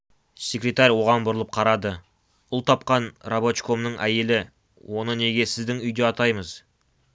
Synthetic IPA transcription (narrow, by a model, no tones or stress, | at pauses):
sʲe̞krʲet̪aɾʲwo̞ʁɑnbʊɾəlˠəp̚qʰɑɾɑd̪ə | ʊlˠt̪ʰɑp̚qɑnrabo̞t͡ʃko̞mnəɴʔæje̞lɪ | wʔo̞nəne̞ɡʲe̞sɪzd̪ɪŋʏjd̪e̞ɑt̪ɑjməz̥